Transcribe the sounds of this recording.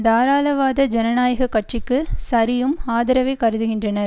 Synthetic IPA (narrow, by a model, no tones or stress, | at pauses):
d̪aːɾaːlɐʋaːðɐd͡ʒɛnɐnaːjɐɣɐkːɐʈt͡ʃɪkːɯsɐɾɪjɯmaːðɪɾɐʋɐɪkɐɾɯðɯɣɪndrɐnɐ